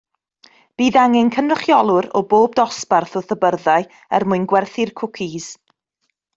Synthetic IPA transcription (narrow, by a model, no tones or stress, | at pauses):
b̥iːðaŋɛnkʰənʊχjɔlˠʊɾɔboːb̚dɔsparθɔθəbərðaɨ | ɛ̰rmʊɨnɡwɛrθɪrkʰʊkʰiz̥